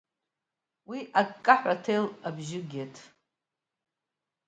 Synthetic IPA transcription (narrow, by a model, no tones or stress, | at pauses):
wiʔakʼːaħʷᶣatʰejlabʒɪɡʲetʰʼ